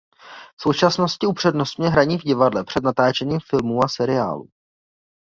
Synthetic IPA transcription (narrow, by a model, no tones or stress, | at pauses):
fso̞wt͡ʃasno̞scɪupr̝̥ɛdnost̪ɲɛɦɾaɲiːvɟɪvadlɛpr̝̥ɛd̪nat̪aːt͡ʃɛɲiːmfɪlmuːasɛɾɪa̰ːlṵː